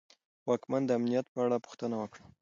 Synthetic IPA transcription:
wɑkmand̪əamnijat̪̚pəaɽapʊ̥xt̪ənawəkɽa

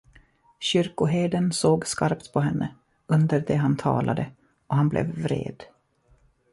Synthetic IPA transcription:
ɕʏɾkʊɦeːd̪ənsoːɡskaɾpt̪pʰɔɦɛnːə | ɵnd̪əɾd̪ɛɦant̪ʰɑ̰ːlʔad̪ə | ɔɦanblʔɛ̰vːɾḛːd̪

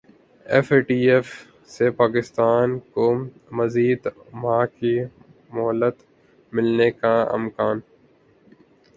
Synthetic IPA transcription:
efeːʈiːef | sepaːkɪst̪aːnko | mɐziːd̪ | mãːki | mɔɦlət̪ | mɪlnekaɪ̰mkaːn

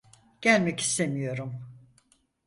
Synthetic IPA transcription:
ɟ̥ælʲmɛci̥st̪e̞mijo̞ɾum

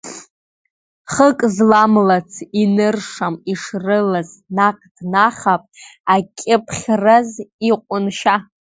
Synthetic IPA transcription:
χəkʼzlamlat͡sʰinɨrʂamiʂrɨlaznaqʼd̥naχapʼakʲʼɪpʰχʲraziqʷʼʊnʃa

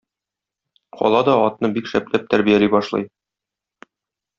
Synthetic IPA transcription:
qʰɒ̰lˠɑd̪ɒɒt̪nɤbikʃæp̚læp̚t̪æɾbijælibɒʃlˠɤ̰j

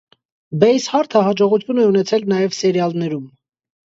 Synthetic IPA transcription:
bɛjshɑɾt̪ʰəhɑd͡ʒɔʁut̪ʰjunɛunɛt͡sʰɛlnɑjɛvsɛɾjɑlnɛɾum

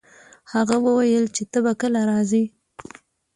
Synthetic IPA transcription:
haɣawəwajəlt͡ʃet̪əbakəlaɾɑzi

